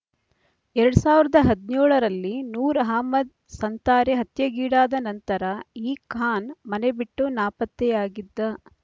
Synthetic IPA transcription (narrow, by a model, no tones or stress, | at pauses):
ɛɾɐɽusaːʋiɾɐd̪ɐɦɐd̪nuːɭɐɾɐlːinuːɾɐɦaːmɐd̪̚ | sɐnt̪aːɾeɦɐt̪jɐɡiːɽaːd̪ɐnɐnt̪ɐɾɐiːkʰaːnmɐnebiʈːunaːpɐt̪ːɛjaːɡid̪ːɐ